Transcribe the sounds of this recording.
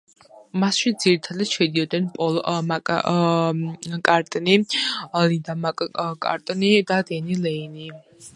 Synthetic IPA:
masʃid̪z̥iɾit̪ʰad̪ad̪ʃɛd̪iɔd̪nɛnpʼɔlˠmakʼ | kʼaɾt̪ʼnilind̪amakʼkʼa̰ɾt̪ʼnid̪ad̪ɛnilɛini

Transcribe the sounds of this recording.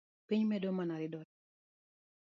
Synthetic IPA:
piɲmɛdɔmanaɾɪdɔ

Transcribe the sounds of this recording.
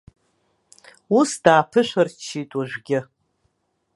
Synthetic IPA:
usd̥aːpʰɨʃʷart͡ʃʰitʼaʒʷɡʲɪ

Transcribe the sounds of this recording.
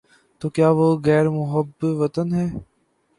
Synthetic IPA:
t̪oːkjaːʋoɣɛːɾmʊɦəbʋɐt̪ənɦɛː

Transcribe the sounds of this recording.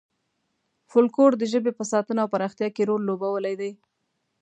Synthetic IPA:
fʊlkoɽd̪əʒəbepəsɑt̪ənaawpaɾɑxt̪jɑkeɾollːobawəlajd̪aj

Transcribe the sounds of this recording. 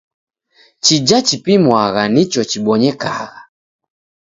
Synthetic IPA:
t͡ʃid͡ʒat͡ʃipimwaɣanit͡ʃɔt͡ʃiɓɔɲɛka̰ɣa

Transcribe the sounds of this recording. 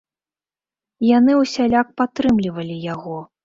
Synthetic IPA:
janɨuwsʲalʲak̚pat̪ɾɨmlʲivɐlʲijaɣɔ

